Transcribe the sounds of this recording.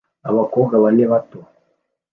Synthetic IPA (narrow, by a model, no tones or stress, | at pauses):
aβakɔɡaβanɛβato